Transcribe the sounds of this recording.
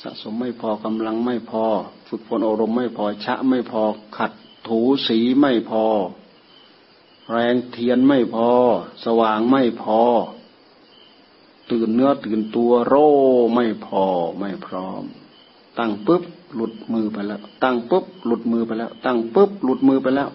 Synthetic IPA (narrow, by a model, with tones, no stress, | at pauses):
sa̰˧ʔso˨˧˦mːa˥˩jpʰɔː˧˩ka˧mla˧ŋma˥˩jpʰɔː˧fɯ˧˩k̚pʰo˧˥˨nʔoː˧˩ɾo˧mːa˥˩jpʰɔː˧˩t͡ɕʰa̰˦˧ʔma˥˩jpʰɔː˧kʰa˧˩t̪ʰːuː˨˦siː˨˦ma˥˩jpʰɔː˧ | ɾɛː˧ŋt̪ʰi˧˨ənma˥˩jpʰɔː˧sa˧waː˨˩ŋma˥˩jpʰɔː˧ | t̪ɯː˨˩nːɯ˧˥ɐt̪ɯː˨˩nt̪u˧ɐɾoː˧˩ma˥˩jpʰɔː˧ma˥˩jpʰɾɔː˧˥m | t̪a˧˩ŋpɯ˦˥p̚lu˧˩t̪̚mɯː˧˩pa˧jlɛː˧˩wt̪a˧˩ŋpɯ˦˥p̚lu˧˩t̪̚mɯː˧pa˧jlɛː˧˩˨wt̪a˧˥˩ŋpɯ˦˥p̚lu˧˩t̪̚mɯː˧pa˧jlɛː˧˥˩w